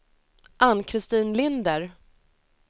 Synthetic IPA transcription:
ʔanːkʰɾɪst̪iːnlɪnd̪əɾ

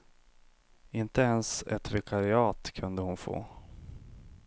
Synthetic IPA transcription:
ɪnt̪əɛnsɛt̪ɾɛkʰaɾɪɑːt̪kʰɵnd̪əhʊnfo̰ː

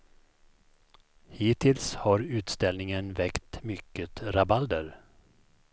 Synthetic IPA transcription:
hiːt̪ʰɪlshaɾʉ̟ːt̪st̪ɛlnɪŋənvɛkt̪mʏkːət̪ɾabald̪əɾ

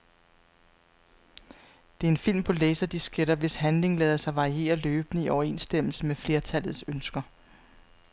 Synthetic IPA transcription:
d̥e̝æɐe̝nfil̰mpʰɒ̽leːsɐd̥isɡ̥eɾ̥ɐʋe̝sɦænle̝ŋlɛːðˠɐsɑ̈ɪʋɑ̈ʁie̝̰ːɐløːb̥ənəiʔɒʊɐe̝nsd̥em̰l̩səmefle̝ɐt͡sʰæl̰ð̩ˠsønsɡ̥ɐ

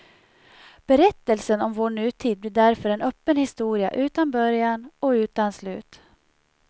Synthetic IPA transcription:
b̥ɛɾɛt̪ːəlsənɔmvoːɳʉ̟ːt̪ʰiːd̪̚b̪lɪd̪æɾfœɾɛnœːpːənhɪst̪uːɾɪa̰ʔʉ̟ːt̪anbœɾjanɔʉ̟ːt̪anslʉ̟̰ːt̪

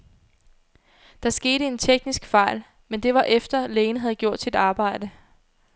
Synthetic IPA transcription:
d̥ɑ̈sɡ̥e̝ːɾəe̝nt͡sʰeɡ̥nisɡ̥fɑ̈ɪ̰l | mend̥e̝ʋɑ̈ʔefd̥ɐleːnəɦæð̞̩ˠɡ̥jo̝ɐ̰d̥sid̥ɑ̈ːb̥ɑ̈ɪ̰d̥ə

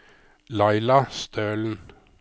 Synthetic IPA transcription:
lɑɪlɑst̪ʰøːln̩

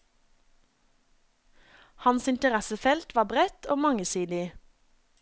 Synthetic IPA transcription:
hɑnsɪnt̪əʁæsəfɛlt̪ʋɑːbʁɛt̪ʰoːmɑŋəsiːd̪ɪ

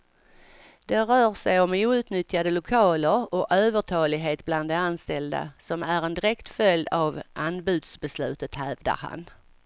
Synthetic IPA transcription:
d̪̥ɛɾœːɾsɛjɔmuːʉ̟ːt̪nʏt̪ːjad̪əlʊkʰɑːləɾɔʔøːvəʈʰɑːlɪɡɦeːt̪bland̪ːɛanst̪ɛld̪a̰sɔmæɾɛnd̪ɪɾɛkt̪fœld̪avʔanbʉ̟ːd̪sbɛslʉ̟ːt̪ət̪hæːvd̪a̰ɾha̰n

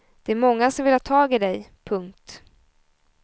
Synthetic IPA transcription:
d̪̥ɛæɾmɔŋːasɔmvɪlhɑːt̪ʰɑːɡɪd̪ɛjpʰɵŋk̚t̪

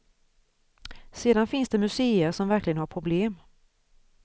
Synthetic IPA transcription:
seːd̪anfɪnsd̪ɛmɵseːəɾʂɔmvæɾklɪɡənhaɾpʰɾʊbleːm

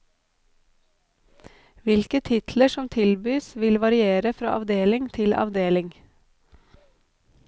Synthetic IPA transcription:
ʋɪlkət̪ʰɪt̪ʰləʃɔmt̪ʰɪlbyːsʋɪlʋɑɾɪeːɾəfɾɑ̰ːʔɑ̰ʋd̪eːlɪŋt̪ʰɪlɑ̰ʋd̪eːlɪŋ

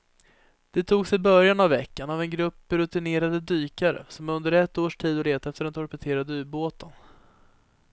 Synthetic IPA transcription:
d̪̥ɛt̪ʰuːɡsɪbœɾjanavːɛkːanavɛnɡɾɵpːɾɵt̪ɪneːɾad̪əd̪yːkaɾə̰sɔmɵnd̪əɾɛt̪ːoːʂʈʰiːd̪ɔleːt̪aɛft̪əɖɛnt̪ʰɔɾpɛt̪ʰeːɾad̪əʉ̟ːboːt̪ən

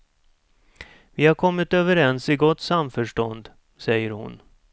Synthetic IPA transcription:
vɪhaɾkʰɔmːɪt̪øːvəɾɛnsɪɡɔt̪ːsamfœʂʈɔnd̪ | sɛjəɾhʊ̰n

